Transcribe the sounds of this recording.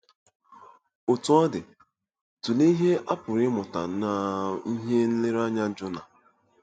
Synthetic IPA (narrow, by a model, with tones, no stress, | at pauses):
ʊ˨tʊ˨˦ɔ˦dɪ˨ | tu˨le˦i˦ɦe˦ʔa˦pʊ˨ɾɪ˦mʊ˨ta̰˨na˨i˦ɦe˦n̩˦lɪ˦ɾa˦ɲa˦d͡ʒʊ˦na˨